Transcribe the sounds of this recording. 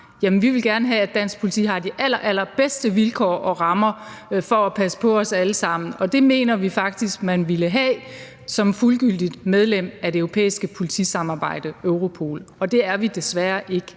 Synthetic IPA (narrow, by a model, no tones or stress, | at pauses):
jæmənʋiʋe̝lɡ̥æɐnəɦɛæ̥d̥æn̰sɡ̥̚pʰo̝lit͡sʰḭːɦɑ̈d̥iʔælɐʔæl̰ɐb̥esd̥əʋilkʰɒ̰ːʔɒ̽ʁɑ̈mɐfɒæpʰæsə̥pʰɒ̽ɒ̽sæləsɑ̈m̰n̩ɒ̽d̥e̝me̝̰ːnɐʋifɑ̈ɡ̥̚d̥isɡ̥mænʋiləɦɛ | sɒ̽mfulɡ̥yl̰d̥id̥með̞ˠlem̰æde̝øʊʁo̝pʰḛːisɡ̥əpʰo̝lit͡sʰisɑ̈mɑ̈ːb̥ɑ̈ɪ̰d̥əøʊʁo̝pʰo̝̰ːlɒ̽d̥e̝æɐʋid̥e̝sʋæɐʔe̝ɡ̥ə